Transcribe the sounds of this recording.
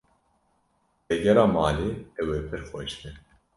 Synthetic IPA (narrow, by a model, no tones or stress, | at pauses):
ɛɡɛɾɑːmɑːleɛwɛpʰɨɾxʷɛʃt̪ɨn